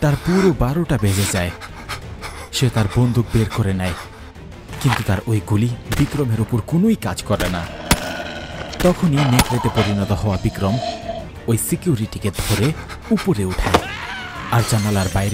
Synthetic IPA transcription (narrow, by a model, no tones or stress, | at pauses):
t̪aɾpuɾobaɾoʈabed͡ʑed͡ʑae | ʃet̪aɾbond̪ʱuk̚beɾkoɾenɛj | kint̪ut̪aɾojɡulibikɾomeɾupoɾkonojkad͡ʑkɔɾena | t̪ɔkʰoninekɾeʈepoɾinɔt̪ohɔoabikɾɔm | ojsikijuɾiʈiked̪ʱoɾe | upoɾeuʈʰae | aɾd͡ʑanalaɾbajɾe